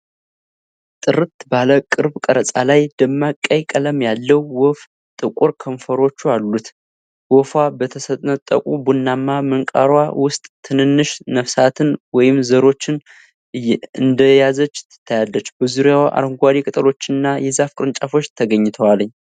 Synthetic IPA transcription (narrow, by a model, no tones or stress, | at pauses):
t̪ʼɨɾɨt̪baləkʼɨɾbkʼəɾəsʼa̰lajd̪̥əmːakʼːəjkʼələmjalːəwːɔf | t̪ʼɨkʼuɾkʰəɱfəɾo̞t͡ʃːualːut̪ | wɔfabət̪ʰəsət̪ʼnət̪ʼːə̰kʼubunːamːamɨŋkʼa̰ɾwawʊst̪ʼt̪ʰːɨnɨnːɨʃnəfsat̪ʰɨnwɔjɪmzəɾo̞t͡ʃːɪn | ɨnd̪əjazət͡ʃːt̪ʰːɨ̥t̪ʰːajalːət͡ʃːbəzuɾjawʔa̰ɾəŋɡʷaɾikʼət̪ʼəlo̞t͡ʃːɪɨnːajɛzafkʼɨɾɨnt͡ʃʼafo̞t͡ʃːt̪ʰəɡəɲːɪt̪ʰəwaləɲː